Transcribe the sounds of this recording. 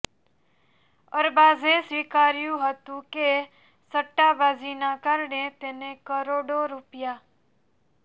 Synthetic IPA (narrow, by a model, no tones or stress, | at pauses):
əɾbaːzesʋiːkaːɾɪjuɦət̪ũke | səʈːaːbaːziːnãːkəɾnẽt̪eːnẽkəɾoːɖoːɾʊpɪjaː